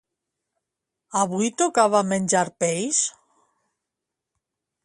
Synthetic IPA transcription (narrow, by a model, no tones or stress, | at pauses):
aβujt̪okaβamenʲd͡ʒaɾpejs